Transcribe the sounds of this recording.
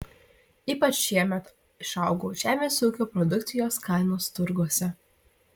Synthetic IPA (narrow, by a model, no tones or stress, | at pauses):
iːpɐt͡ʃʃʲiɛmʲɛt̪ | ɪʃɑˑʊɡoːʒʲæːmʲeːsuːkʲoːpɾɔd̪ʊk̚t̪sʲɪjoːskɑɪnoːst̪ʊɾɡuɔsʲɛ